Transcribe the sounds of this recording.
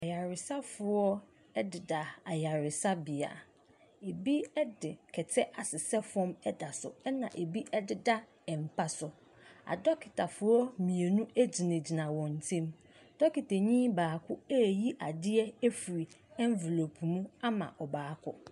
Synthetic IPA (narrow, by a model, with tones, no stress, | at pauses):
a˨ja˨ɾɪ˨sa˦fʊ˨ɔ˦ | ɛ˦dɪ˨da˨a˨ja˨ɾɪ˨sa˦bɪ˨a̰˨ | e˨bi˦ɛ˦dɪ˨kʰɛ˨tʰɛ˦ʔa˨sɪ˨sɛ˦fɔ̃˦mɛ˦da˨sʊ̰˨ɛ˦nã̰˨ʔe˨bi˦ʔɛ˦dɪ˨da˦ | ɛ˨m̩˨pʰa˨sʊ˨ | a̰˨dɔ˦kʰɪ˨tʰa˨fʊ˦ɔ˦mĩ˨e˨nũ˦æ˦d͡ʑi˨nã˨d͡ʑi˨nã˨wɔ̃˨n̩˨tʰɛ̃˦m | d̥ɔ˦kɪ˨ta˨ɲĩː˦baː˨kʰʊ˦ɛ˦˨ji˦ʔa˨dɪ˦ɛ˦ɛ˦fi˨ɾi˨ɛ̃˦ɱ˦ve˨lo˨pʰmũ˦a˦mã̰˨ʔɔ˨baː˨kʰʊ̰˦